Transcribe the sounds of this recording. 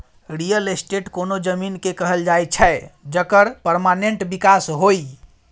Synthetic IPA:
ɾijəlesʈeʈkonod͡ʒəminkekəɦəld͡ʒajt͡ʃʰɛed͡ʒəkəɾpəɾmaneɳʈbikasɦoi

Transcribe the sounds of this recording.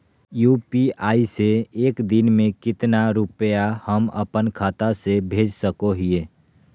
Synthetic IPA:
juːpiaːiseːkd̪ɪnmẽkɪt̪naɾʊpəjahəmə̰pənkʰaːt̪asebʱeːd͡ʒsəkoɦieː

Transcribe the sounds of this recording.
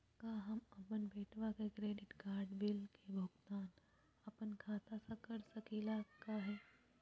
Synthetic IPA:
kaːɦɐmɐpənbeːʈʰʋakekɾeːɖɪʈɡaːɾɖbɪlkebʱʊɡt̪aːn | ɐpənkʰaːt̪asãkɐɾsɐkiːlakaːɦeː

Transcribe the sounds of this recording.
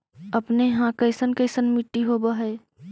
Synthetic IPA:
əpneɦãkəɪsənkəɪsənmɪʈːiɦoːbaɦɛː

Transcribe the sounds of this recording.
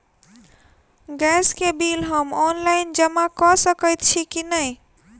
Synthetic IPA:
ɡɛskebilɦəmɔnlaɪnd͡ʒəmakɔsəkət̪̚t͡ʃʰikinəj

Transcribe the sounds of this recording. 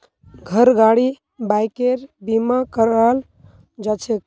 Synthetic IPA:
ɡʱəɾɡaɽi | bajkeɾbimakəɾaɦəl | d͡ʒat͡ʃʰek

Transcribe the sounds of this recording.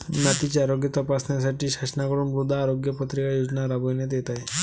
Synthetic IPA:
nat̪it͡ɕeaɾoɡjət̪əpasnjas̬aʈiːɕaɕənakəɾuːnɾud̪ʱːaːɾoɡjəpət̪ɾikajod͡znaɾabojnjat̪jet̪aj

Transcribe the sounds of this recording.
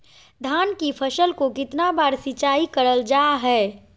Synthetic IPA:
d̪ʱaːnkipʰəʃəlkokɪt̪nabaːɾsɪt͡ʃaːikəɾəld͡ʒaːɦɛː

